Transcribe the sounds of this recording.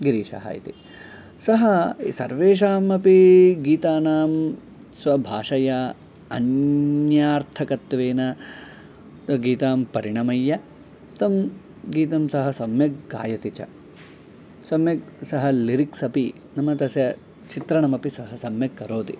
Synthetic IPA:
ɡiɾiːʂɐ̰ɦa̰ːjḭt̪i | sɐɦɐsɐ̰ɾʋeːʃaːmɐpiɡiːt̪aːnaːm | sʋɐbʱaːʂɐja | ɐ̰njaːɾt̪ʰɐkɐt̪ʋeːnɐ | ɡiːt̪aːmpɐɾiɳɐmɐjːɐ | t̪ɐm | ɡiːt̪ɐmsɐɦɐsɐmjɐkɡa̰ːjɐt̪it͡ʃɐ̰ | sɐmjɐksɐɦɐliɾiksɐpi | nɐmɐt̪ɐsjɐ | t͡ʃit̪ɾɐnɐmɐpisɐɦɐsɐmjɐkːɐɾoːt̪i

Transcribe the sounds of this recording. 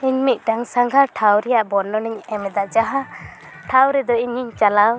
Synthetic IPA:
iɲmit̪̚ˀʈaŋsaŋɡʱaɾʈʰawɾɛjaʔbɔɾnɔniɲɛmɛd̪aʔd͡ʒaɦa | ʈʰawɾɛd̪ɔiɲiɲt͡ʃalaw

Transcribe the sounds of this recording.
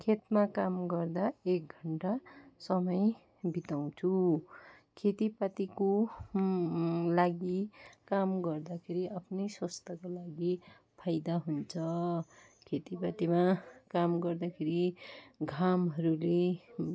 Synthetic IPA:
kʰet̪makamɡʌrd̪aek̚ɡʱʌɳʈasʌmʌj | bʱit̪aw̃t͡sʰu | kʰet̪ipat̪iko | laɡikamɡʌrd̪akʰeɾiapʰnʌjswʌst̪akolaɡi | pʰajd̪aɦunt͡sʰʌ | kʰet̪ipat̪imakamɡʌrd̪akʰeɾiɡʱamɦʌɾule

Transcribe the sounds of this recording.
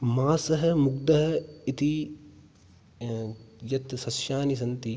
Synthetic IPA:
maːsɐɦɐ̆muɡd̪ɐɦɐ̆it̪i | jɐt̪sɐsʃjaːnis̬ɐnt̪i

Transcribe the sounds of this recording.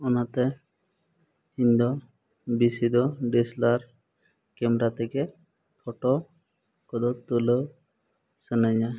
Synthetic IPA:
ɔnat̪ɛ | iɲd̪ɔ | bisid̪ɔɖislaɾ | kɛmɾat̪ɛkɛ | pʰɔʈɔ | kɔd̪ɔt̪ːulə | sənaɲa

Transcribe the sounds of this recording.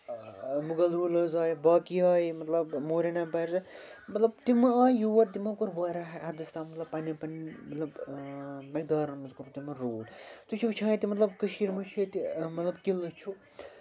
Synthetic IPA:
muɡɐlɾuːlɐzaːjbaːkiaːjimɐt̪lɐbmoːɾenɐbɐɾzɐmɐt̪lɐb̚t̪imɐaːjijuːʋɐɾt̪imɐkuɾʋaːɾɐɐd̪ɐst̪aːmɐt̪lɐbpɐnipɐnimɐt̪lɐb | mɐk̚d̪aːɾɐnmɐzkuɾut̪imɐɾoːlt̪ut͡ʃʰuʋt͡ʃʰaːit̪imɐt̪lɐbkəʃiːɾmɐt͡ʃʰɐt̪imɐt̪lɐbkilɐt͡ʃʰu

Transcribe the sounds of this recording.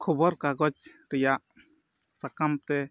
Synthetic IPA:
kʰɔbɔɾkaɡɔd͡ʒ | ɾɛjaʔ | sakamt̪ɛ

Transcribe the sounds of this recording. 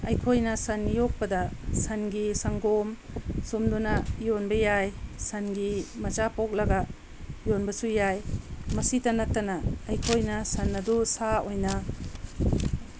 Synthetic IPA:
ɐjkʰojnɐsɐnːijok̚pɐdɐsɐnɡisɐŋɡom | sumdunɐjonbɐjajsɐnɡimɐt͡ʃapok̚lɐɡɐ | jonbɐsujajmɐsitɐnɐtːɐnɐːjkʰojnɐsɐnːɐdusaojnɐ

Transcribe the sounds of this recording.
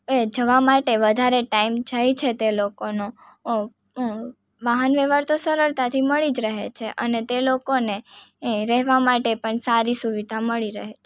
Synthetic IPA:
ed͡ʒəʋamaʈeʋəd̪ʱaɾeʈaimd͡ʒajt͡ʃʰet̪elokono | ʋaɦənʋeʋaɾt̪osəɾəɭt̪at̪ʰiməɭid͡ʒɾəɦet͡ʃʰeʔənet̪elokoneɾɛɦʋamaʈepəɳsaɾisuʋid̪ʱaməɭiɾə̰ɦet͡ʃʰe

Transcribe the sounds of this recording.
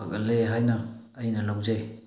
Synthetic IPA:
akɐleɦajnaːjnalawzaj

